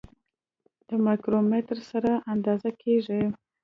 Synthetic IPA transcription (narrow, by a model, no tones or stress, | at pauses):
d̪̥əmakɾomet̪ɾsaɾaʔand̪ɑzakʰeʐi